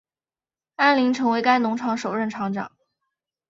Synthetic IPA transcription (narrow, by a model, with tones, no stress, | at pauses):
a˥nli˧˥ŋʈ͡ʂʰɤ˧˥ŋwe˧˥ɪka˥ɪnʊ˧˥ŋʈ͡ʂʰɑ˧˥ŋʂo˨˩ʊɻə˥˩nʈ͡ʂʰɑ˧˥ŋʈ͡ʂɑ̰˨˩˦ŋ